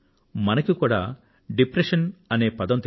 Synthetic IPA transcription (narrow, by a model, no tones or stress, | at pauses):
mɐnɐkikuːɽa̰ː | ɖipɾeʃɐnɐneːpɐd̪ɐmt̪